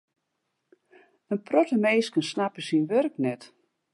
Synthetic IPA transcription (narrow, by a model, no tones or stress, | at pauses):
ənprɔtəmeːskənsnapəsinʋørknɛt